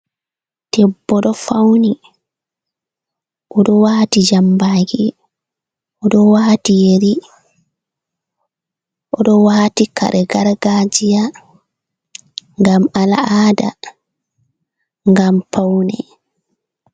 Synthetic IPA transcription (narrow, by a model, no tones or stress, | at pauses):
tɛbːɔɗɔfawni | ʔɔɗɔwaːtid͡ʒambaːɡi | ʔɔɗɔwaːtijeɾi | ʔɔɗɔwaːtika̰ɾɛɡaɾɡad͡ʒija | ŋɡamalaaːda̰ | ŋɡampawnɛ